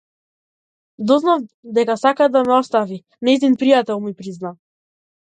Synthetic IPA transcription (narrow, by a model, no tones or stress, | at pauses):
d̪ɔznavd̪ɛkasakad̪amɛɔst̪avi | nɛizd̪inpɾijat̪ɛlˠmipɾizna